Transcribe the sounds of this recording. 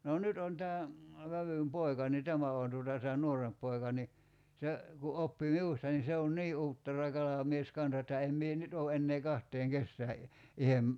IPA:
noː nyt on tæː ʋæʋym poi̞kɑ ni tæmæ oˑn tuotɑ tæː nuoremp poi̞kɑ ni se ku opːi miustɑ ni se on niː uːtːerɑ kɑlɑmies kɑnsɑ etːæ em mie nyt oː enːeː kɑhtˑeːŋ kesːæː i ihem

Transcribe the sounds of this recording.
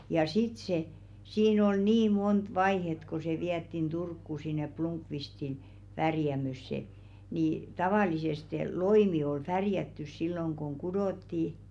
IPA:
jɑ sit se siːn ol niː mont ʋɑihet ko se ʋiætːin d̥urkːu sinˑe plumkʋistin ʋærjæmøsːe ni tɑʋɑˑliseste loimi ol færjætːys silːoŋ koŋ kudoˑtːi

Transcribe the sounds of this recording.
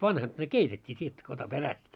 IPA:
ʋɑnhɑt ne keitetʲːiː tʲietːy kɑtɑ peræst

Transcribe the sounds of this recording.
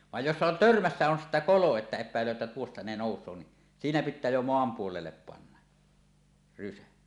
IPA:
ʋɑj josːɑ on tørmæsːæ on sitːæ kolo etːæ epˑæelˑøː ĕtːæ tuostɑ ne noˑusˑoː ni siːnæ pitˑæː jo moɑm puolelːep pɑnːɑ rysæ

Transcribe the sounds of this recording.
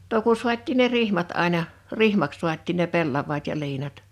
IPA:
no ku suɑt̆ʲtiːn ne rihmɑt ɑˑinɑ rihmɑks suɑt̆ʲtiːn ne pelːɑʋˑɑːt jɑ liːnɑt

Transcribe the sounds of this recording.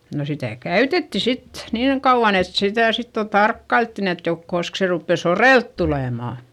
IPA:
no sitæˑ kæytetːi sit niːŋ kɑuʋ̆ɑn et sitæˑ sit jo tɑrkːɑiltːin et jo kosk se rupːeˑ soreˑlt tuleˑmɑˑ

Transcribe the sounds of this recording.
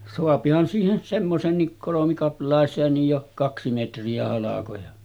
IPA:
soɑpihɑn siːhen semːoseːnːik kolomikɑplˑɑˑeseːnːij jo kɑksi metriæ hɑlɑkojɑ

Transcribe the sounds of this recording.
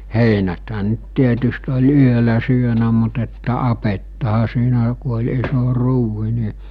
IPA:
heinæthæ nə̆t tietyst olʲ yølæ syønæ mut etːæ ɑpetːɑhɑ siːnæ ku olʲ iso ruːhi ni

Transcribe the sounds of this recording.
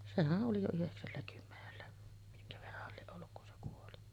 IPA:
sehæʔ ʔoli jo yheksælːækymːenelːæ miŋkæ ʋerːɑhˑɑl lieʔ ʔolːuk kun se kuoli

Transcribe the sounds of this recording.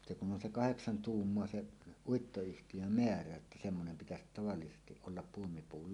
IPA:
se kun on se kɑheksɑn tuːmːoɑ se uitːoyhtijø meæræ etːæ semːonem pitæsit tɑʋɑlːisestiʔ ʔolːɑp puomipuːl

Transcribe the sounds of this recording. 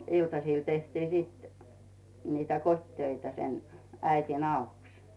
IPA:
iltɑsiˑl tehti sit nitæ kotʲtøitæ sen æitin ɑuks

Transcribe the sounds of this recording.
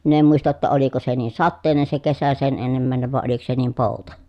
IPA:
min em muistɑ tːɑ oliko se niːn̞ sɑtːeˑi̯nen se kesæ sen enːemːæˑeneʋ ʋɑˑe oliko se niːm poˑutɑ

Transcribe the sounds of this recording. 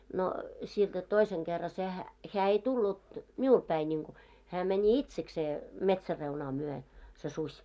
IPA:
no sield̥æ toiseŋ ɡ̊erːɑ sehæ heæ ei tulːut miul pæi nʲiŋku hæː mɛnʲi itsekseː metsærːeunɑː myø se susʲ

